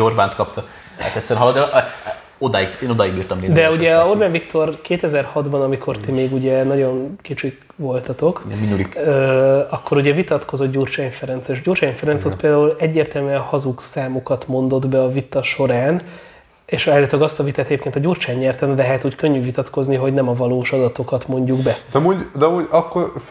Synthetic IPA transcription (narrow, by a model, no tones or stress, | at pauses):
orbaːnt̪kɒpt̪ɒ | ha̰t̪ɛt̪ʲsːɛɾɒlod̪ɛ | od̪ajikeːnod̪ɒjiɡbiːrt̪ɒmleːd̪ɛuɟɛorbaːnvikt̪o̞rkeːt̪ɛzɛrhɒd̪bɒnɒmikʰo̞rt̪imeːɡuɟɛnɒɟo̞nkit͡ʃik | ʋo̞lt̪ɒt̪o̞kinulikøːɒkːo̞ɾuɟɛvit̪ɒt̪ko̞zo̞t̪ɟuːrt͡ʃaːnfɛɾɛnt̪seːʃɟuːrt͡ʃaːnfɛɾɛnsot̪peːld̪aːulɛɟːeːrt̪ɛlmyɛnhɒzuksaːmokɒt̪mo̞nd̪o̞d̪bɛɒvit̪ːɒʃo̞ɾaːn | eʃɛːlːɛt̪øɡɒst̪ɒvit̪aːt̪ɛɟepkeːnt̪ɒɟuːrt͡ʃaːɲːɛrt̪ɛnlɛɦɛt̪uːckø̞ɲːyvit̪ɒt̪ko̞zniɦo̞ɟnɛmɒvɒloːʃɒd̪ɒt̪o̞kɒt̪mo̞ɲɟuɡbɛd̪ɛmuɟd̪ɛmuɟɒkːor